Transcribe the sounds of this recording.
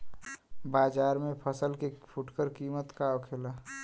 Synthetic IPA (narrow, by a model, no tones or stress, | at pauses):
baːd͡ʒaːɾmẽpʰəsəlkepʰʊʈkəɾkiːmət̪kaokʰeːla